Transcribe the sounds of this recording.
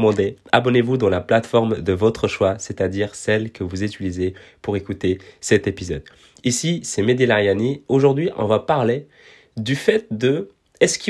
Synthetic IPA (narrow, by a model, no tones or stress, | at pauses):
mɑ̃d̪eabɔnevud̪ɑ̃laplat̪fɔʁmd̪əvɔt̪χəʃwaset̪ad̪iʁsɛlkəvuzit̪ylizepuʁekut̪esɛt̪epizɔd̪ | isisɛmed̪ilaʁjanioʒuʁd̪ɥiʔɔ̰̃vapaʁle | d̪yfɛt̪̚d̪ə | ɛskʲi